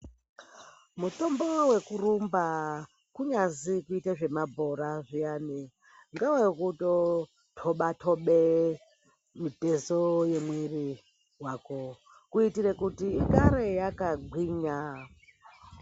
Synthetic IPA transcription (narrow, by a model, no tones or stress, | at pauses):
muto̞mbowe̞kurumba | kuɲazikuitaʐe̞mabʱo̞ɾaʐijani | ŋɡawaikuto | tʰoɓatʰoɓe | mitezojemweri | wako | kuitirekutiːkaɾe̞jakaɡʱwiːɲa